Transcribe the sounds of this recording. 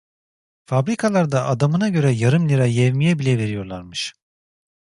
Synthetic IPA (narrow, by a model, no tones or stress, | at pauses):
fabɾikʰalˠaɾd̪aʔad̪amɯnaɟø̞ɾɛjaɾɯmlʲiɾajɛvmijɛbilʲɛve̞ɾijo̞ɾlˠaɾmɯʃ